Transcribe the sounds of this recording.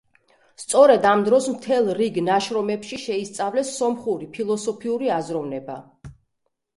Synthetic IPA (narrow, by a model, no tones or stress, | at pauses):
st̪sʼɔɾɛd̪amd̪ɾɔsmt̪ʰɛlˠɾiɡnaʃɾɔmɛpʃiʃɛist̪sʼavlɛsːɔmχuɾipʰilˠɔsɔpʰiuɾiazɾɔvnɛba̰